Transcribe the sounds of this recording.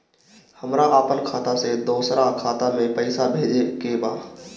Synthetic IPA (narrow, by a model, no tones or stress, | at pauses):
həmɾaʔaːpənkʰaːt̪ased̪oːsɾakʰaːt̪amẽpəɪsabʱeːd͡ʒekebaː